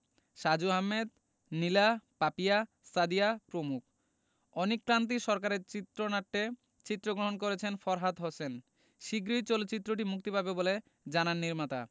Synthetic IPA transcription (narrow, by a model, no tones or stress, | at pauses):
ʃad͡ʑuɦamːed̪̚ | nilapapija | sad̪iapɾomuk̚ʰ | ɔnikːɾant̪̬iʃɔɾkaɾeɾt͡ɕit̪ːɾonaʈːe | t͡ɕit̪ːɾoɡɾoɦonk̬oɾet͡ɕʰenfɔɾɦat̪ɦosen | ʃiɡɾiɾt͡ɕolt͡ɕit̪ːɾoʈ̬imuk̚t̪ipabebole | d͡ʑananːiɾmat̪a̰